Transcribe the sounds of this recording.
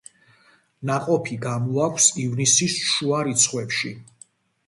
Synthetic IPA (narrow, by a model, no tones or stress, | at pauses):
naqʼɔpʰiɡamɔakʷʰsivnisisʃuaɾit̪sʰχwɛpʃi